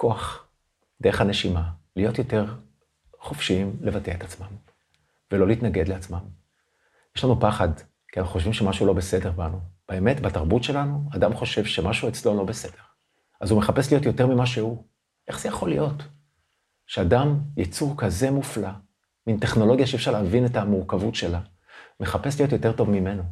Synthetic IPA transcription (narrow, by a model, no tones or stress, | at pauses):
ko̞aχ | d̪e̞eχhaneʃimalijo̞tjo̞te̞ʁ | χofʃiimle̞vateet̪at͡smam | velo̞liːtnaɡe̞d̪leat͡smam | jeʃlanupaχad | kianχoʃvimʃe̞maʃuulo̞be̞se̞de̞ʁbanub̥eeme̞tbataʁbutʃe̞lanuadamχo̞ʃe̞vʃe̞maʃuet͡slo̞lo̞bese̞d̥e̞ʁ | azume̞χape̞slijo̞t̬jo̞te̞ʁmimaʃe̞hu | ʔe̞χz̥ejaχo̞lijo̞t | ʃeadamjat͡suʁkaze̞mufla | minteχno̞lo̞ɡjaʃeefʃaʁleːvine̞tamuʁkavutʃe̞la | me̞χape̞slijo̞tjo̞te̞ʁto̞vmime̞no